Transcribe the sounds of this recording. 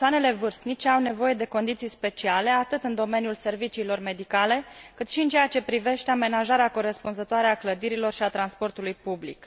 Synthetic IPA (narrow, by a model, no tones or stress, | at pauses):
oane̞le̞vɨrst̪nit͡ʃeawne̞vo̞je̞d̪e̞ko̞nd̪it̪sijspe̞t͡ʃiale̞at̪ɨt̪ɨnd̪o̞me̞nijulse̞rvit͡ʃiːlo̞rme̞d̪ikale̞kɨt̪ʃiɨnt͡ʃejat͡ʃe̞pɾive̞ʃt̪e̞ame̞naʒaɾeako̞ɾe̞spunzət̪oaɾeakləd̪iɾilo̞rʃiat̪ɾanspo̞rt̪ulujpublḭk